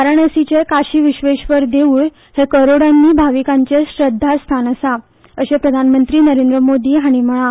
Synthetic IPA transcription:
aɾəɳəsit͡ɕekaɕiːʋiɕʋeɕʋəɾd̪eʋuːɭ | hekəɾoɽanːiːbʱaʋikãɲt͡ɕeɕɾəd̪ʱːast̪ʰanəsa | əɕepɾəd̪ʱanmənt̪ɾiːnəɾend̪ɾəmod̪iːɦaɽ̃im̤əɭa

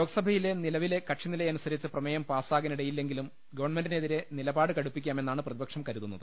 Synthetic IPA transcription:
joːɡɐsɐbʱɐjile̞nilɐʋile̞kɐʈʂinilɐjɐnusɐɾit͡ɕːɨprɐmɐjɐmpaːsaːɣɐniɽɐjilːe̞ŋɡilum | ɡɐʋɐɳme̞nɖineðiɾe̞nilɐbaːɽɨkɐɽupːikʲːaːme̞nːaːɳɨprɐðibɐkʂɐmkɐɾuðunːɐðɨ

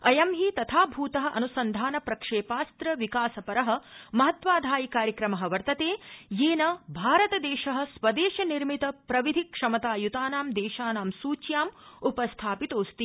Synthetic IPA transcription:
ɐjɐmɦit̪ɐt̪ʰaːbʱuːt̪ɐɦɐ̆ʔɐ̰nusɐnd̪ʱaːnɐpɾɐkʂeːpaːst̪ɾɐʋikaːsɐpɐɾɐɦɐ̆mɐɦɐt̪ʋaːd̪ʱaːjikaːɾjɐkɾɐmɐɦɐ̆ʋɐɾt̪ɐt̪eːjeːnɐbʱaːɾɐt̪ɐd̪eːʃɐɦɐ̆sʋɐd̪eːʃɐniɾmit̪ɐpɾɐʋid̪ʱikʂɐmɐt̪aːjut̪aːnaːmd̪eːʃaːnaːmsuːt͡ʃjaːmupɐst̪ʰaːpit̪oːst̪i

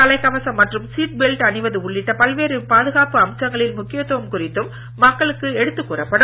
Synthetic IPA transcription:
ɐlɐɪkːɐʋɐsɐmːɐʈrɯmsiːʈ̚bɛlʈɐnɪʋɐðɯʊɭːɪʈːɐpɐlʋeːɾɯpaːðɯɣaːpɯɐmt͡ʃːɐŋɡɐɭɪlmʊkːɪjɐt̪ːuʋɐmkʊrɪt̪ːɯmː | ɐkːɐɭɯkːɯɛɽɯt̪ːɯkːuːrɐpːɐɽɯ

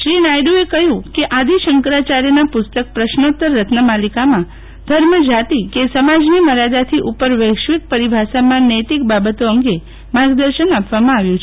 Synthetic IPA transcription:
ʃɾinajɖuekəɦjũkeʔad̪iʃəŋkɾat͡ʃaɾjnapʊst̪ək̚pɾəʃnot̪əɾːət̪nəmalikamã | d̪ʱəɾməd͡ʒat̪ikesəmad͡ʒniməɾad̪at̪ʰiʔupəɾʋəjkʃʋik̚pəɾibʱasamãnəjt̪ikbabət̪oəŋɡe | maɡd̪əɾʃənapʋamãaʋjũt͡ʃʰe

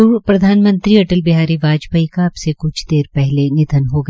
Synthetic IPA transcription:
upɾɐd̪ʱaːnmə̃nt̪ɾiɐʈəlbɪɦaːɾiʋaːd͡ʒbʱaikaɐbsekʊt͡ʃʰd̪eːɾpɛɦlenɪd̪ʱənɦoɡɐ

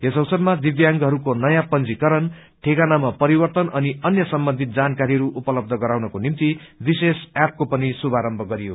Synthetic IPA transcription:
ɦesʌwsʌd̪mad̪ibjaŋɡɦʌɾukonʌjãpʌnd͡zikʌɾʌn | ʈʰekanamapʌɾibʌrt̪ʌnʌniʌnjʌsʌmbʌnd̪ʱit̪̚d͡zankaɾiɦʌɾuʔupʌlʌb̚d̪ʱʌɡʌɾawnʌkonimt̪ibisesap̚kopʌnisubʱaɾʌmbʱʌɡʌɾijo

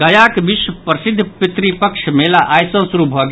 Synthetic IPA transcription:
ɡɐjakbiʃwəpɾəsɪd̪ʱːpɾit̪ɾipəkʃʰmelaʔajsə̃suɾubʱɔɡ

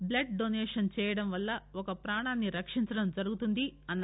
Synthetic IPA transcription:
blɐʈ̚ɖoneːʂɐnt͡ʃɛːjɐɽɐmʋɐlːɐɔkɐpɾaːɳaːnːiɾɐkʂiɲt͡ʃɐɽɐmd͡ʒɐɾuɡut̪und̪iɐnːɐ

